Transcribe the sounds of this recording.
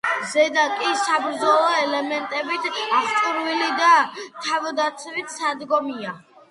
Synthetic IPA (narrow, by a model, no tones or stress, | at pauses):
zɛd̪akʼisabɾd̪zɔlˠɔɛlɛmɛnt̪ʼɛbit̪ʰaχt̪t͡ʃ̪ʼuɾvilid̪at̪ʰavd̪at̪sʰvit̪sad̪ɡɔmia